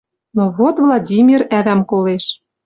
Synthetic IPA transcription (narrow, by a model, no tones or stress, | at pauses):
noβot̪vlˠɑdʲimʲiræβæmkoleʃ